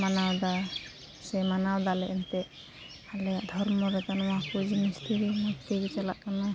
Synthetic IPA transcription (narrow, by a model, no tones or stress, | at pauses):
manawd̪a | sɛmanawd̪alɛʔɛnt̪ɛ | alɛaʔd̪ʱɔɾmɔɾɛt̪anɔwakud͡ʒinist̪ʰiɾimɔt̪ibit͡ʃalaʔkana